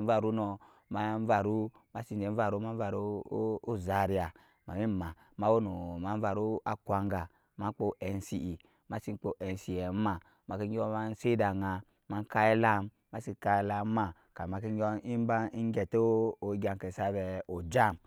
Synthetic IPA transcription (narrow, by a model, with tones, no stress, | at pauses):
va˨ɾu˦no˧ | ma˨˦m˦va˨ɾu˦ | ma˦si˦n˨d͡ʒe˨˦va˨ɾu˦ma˦a˨ɾu˦o˦za˨ɾi˨a˨ | ma˨mi˦˨ma˨ | ma˦wo˦no˨ma˦n˦va˧˨ɾu˦a˦kʷa˨ŋɡa˨ | ma˦k͡po˦ʔɛ˨n˦si˨ʔi˨ | ma˨˦si˦k͡po˦ʔɛ˨n˨si˨jɛ˨˦ma˨ | ma˨ki˦i˦o˦ma˦n̩˦se˦da˨ŋa˨ | ma˦ŋ˦ka˦e˦la˦m | ma˦si˦˧˦ka˧e˦la˧˦ma˨ | ka˨ma˨ki˦ɡʲo˦i˦ba˦i˦ŋ˦ɡɛ˨to˦o˨˦ɡʲa˨ŋ˨ke˨sa˦bɛ˨o˨d͡ʒa˦m